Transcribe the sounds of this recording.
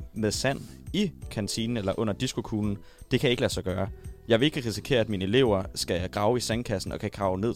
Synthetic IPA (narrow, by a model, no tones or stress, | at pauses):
meðˠsæn̰ | ikʰænt͡sʰinn̩elɐʔɔ̽n̰ɐd̥isɡ̥o̝kʰuːln̩ | d̥e̝kʰæjɑ̈e̝ɡ̥əlæsɑ̈ɪɡ̥ɶːɐjɑ̈ɪʋe̝e̝ɡ̥əʁisi̥kʰe̝̰ːɐæd̥minəe̝le̝ʊɐsɡ̥æjɑɪɡ̥ʁɑ̈ʊisæŋkʰæsn̩ɒ̽kʰæɡ̥ʁɑ̈ʊne̝ð̞̰ˠ